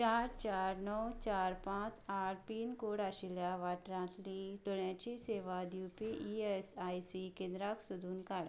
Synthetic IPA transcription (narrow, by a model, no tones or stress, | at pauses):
t͡ɕaɾt͡ɕaɾnɔwt͡ɕaɾpãt͡saʈpiːnkoɽaɕiljaʋaʈɾãt̪liɖ̪oɳjat͡ɕiseʋad̪jupiʔiesajsikẽnd̪ɾaksud̪ʱuːnkaɽ